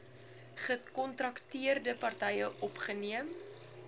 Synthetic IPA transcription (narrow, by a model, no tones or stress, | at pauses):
χətkɔntrɐktiərdəpɐrtɛjəʔɔpχəniəm